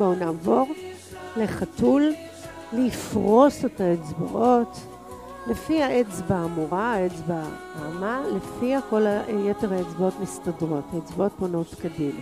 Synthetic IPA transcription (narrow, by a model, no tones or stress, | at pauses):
bounaːvo̞ʁ | le̞χatul | lfʁo̞setaet͡sba̰ʔo̞t | lefihaet͡sbaːmuʁaet͡sba | aːmalefiako̞lajeteʁhaet͡sbaotmistadʁo̞thaet͡sbao̞t̚bono̞tkadima